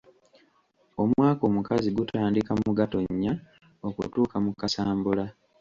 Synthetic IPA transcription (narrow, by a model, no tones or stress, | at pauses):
o̞mwaːko̞ːmukaziɡutʰaːndikamuɡato̞ɲːa | okṵtuːkamukasaːmbula